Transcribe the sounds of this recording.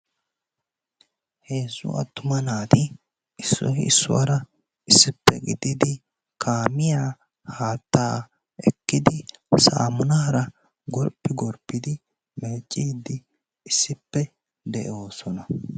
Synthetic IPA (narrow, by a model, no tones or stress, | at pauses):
heːsʊ̰ɐ̰t̪ːʊmɐnaːt̪ɪ | ɪsːɔ̰hɪɪsːʊ̰wɐ̰ɾɐ | ɪsːɪpːɛ̰ɡɪd̪ɪd̪ɪ | kʰaːmɪjaː | haːt̪ːaː | ɛkːɪd̪ɪsa̰ːmʊnaːɾɐ | ɡɔɾpːɪɡɔɾpːɪd̪ɪ | mɛːt͡ʃʼːiːd̪ɪ | ɪsːɪpːɛ | d̪ɛʔo̞ːsɔnɐ